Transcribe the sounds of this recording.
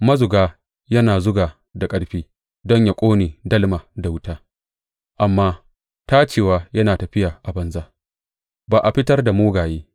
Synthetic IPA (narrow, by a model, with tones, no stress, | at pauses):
mɐ˦zʊ˨ɡaː˦ | jɐ˦naː˨zʊ˦ɡaː˨ | da˨kʼɐ˦ɽɸiː˦ | dɔ˦ɲja˨kʷʼoː˦neː˨dɐ˦lmaː˨da˨wʊ˦taː˦ | ʔa˨mːaː˦ | taː˦t͡ʃeː˨waː˦jɐ˦naː˨tɐ˨ɸɪ˦jaː˨ʔa˨bɐ˨nza˦ʔ | baː˨ʔa˨ɸɪ˦tɐ˦rda˨moː˦ɡaː˨jeː˦